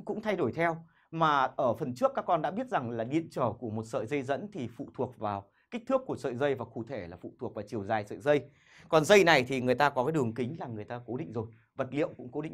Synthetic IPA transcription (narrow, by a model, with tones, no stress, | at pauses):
kʊ̰˧˥ŋ͡mt̪ʰa˧jɗo˧˩jt̪ʰɛ˧w | maː˨˩ʔəː˧˩fə˨˩nt͡ɕɨ˦˥əkːaː˦˥kːɔ˧nɗa̰˧˥ɓi˦˥ət̚za˨˩ŋlaː˨˩ɗḭ˧˨ənt͡ɕəː˧˩ku˧˩əmo˨˩t̚sə̰ː˧˨jzə˧jzə̰˧˥nt̪ʰi˨˩fṵ˧˨t̪ʰu˨˩ək̚vaː˨˩w | ki˦˥k̚t̪ɨ˦˥əkːu˧˩əsə̰ː˧˨jzə˧jvaː˨˩ku˧˩t̪ʰe˧˩laː˨˩fṵ˧˨t̪ʰu˨˩ək̚vaː˨˩t͡ɕi˨˩əwzaː˨˩jsə̰ː˧˨jzə˧j | kɔ˨˩nzə˧jna˨˩jt̪ʰi˨˩ŋɨ˨˩əjt̪aː˧kɔ˨˦kaː˨˦jɗɨ˨˩əŋkï˨˦ŋ̟laː˨˩ŋɨ˨˩əjt̪aː˧ko˨˦ɗḭ̈˧˨ŋ̟zo˨˩j | və˨˩t̚lḭ˧˨əwŋ͡mkʊ̰˧˥ŋ͡mko˨˦ɗḭ˧˨